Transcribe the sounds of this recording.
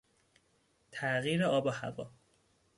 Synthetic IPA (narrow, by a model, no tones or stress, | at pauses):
t̪ʰæɣiːɾeɒːbɒhæ̰vɒ̰ː